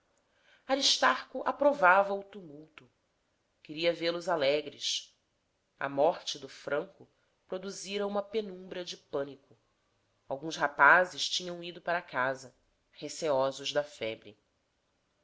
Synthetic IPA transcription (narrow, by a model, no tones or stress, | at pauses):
aɾiʃt̪aɾkʊʔapɾovavɐut̪umuwt̪ʊ | kɪɾiɐvelʊzalɛɡɾɪs | ɐ̰mɔχt͡ʃɪd̪ʊfɾɐ̃ŋkʊ | pɾod̪uziɾɐũmɐpenũmbɾɐd͡ʒɪpɐ̃nikʊ | awɡũshapazɪʃt͡ʃĩɲɐ̃w̃id̪ʊpaɾɐkazɐ | heseɔzʊʒd̪ɐfɛbɾɪ